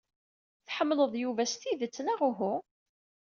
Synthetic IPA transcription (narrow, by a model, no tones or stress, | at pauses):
θħəmːləðˤjuvæst̪iðət͡sːənæʁʊɦʊ